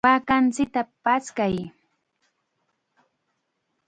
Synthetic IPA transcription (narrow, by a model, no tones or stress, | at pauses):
pakant͡sɪk̚t̪apaskaj